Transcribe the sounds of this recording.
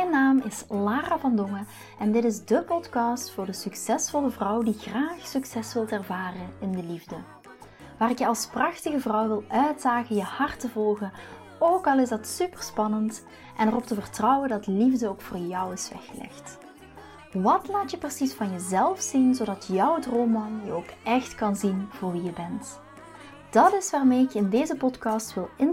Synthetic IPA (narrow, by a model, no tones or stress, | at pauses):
mɛjnaːmɪslaːravɑndɔŋə | ɛndɪtɪzdəpɔtkɑstfʊːrdəsyksɛsfɔləvrʌwdiɣraːxsɵksɛsʋɪlˠtɛrvaːrənɪndəlivdə | ʋaːrɪkjəɑlˠsprɑxtəɣəvrʌwʋɪlˠʔœɥtz̥aːɣəjəhɑrtəvɔlˠɣən | oːkɑlˠɪzdɑtsypərspɑnənt | ʔɛnərɔp̚təvərtrʌwəndɑtlivdəoːkfʊːrjʌwɪsʋɛ̰xəlɛ̰xt | ʋɑtlaːtjəprəsisfɑnjəzɛlˠfsinzodɑtjɔwdromɑnjəoːkɛxtkɑnzinv̥ʊːrʋijəbɛnt | d̥ɑtɪsʋaːrmeːɪkjəɪndeːzəpɔtkɑstʋɪlˠɪn